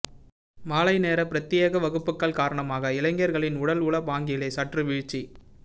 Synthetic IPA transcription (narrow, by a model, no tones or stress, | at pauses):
maːlɐɪneːɾɐpɪɾɐt̪ːijɐɣɐʋɐɣɯpːɯkːɐɭkaːɾɐɳɐmaːɣɐɪlɐɪŋɡjɐɾɣɐɭɪnʊɽɐlʊɭɐpaːŋɡɪjleːsɐʈrɯʋiːɻt͡ʃːi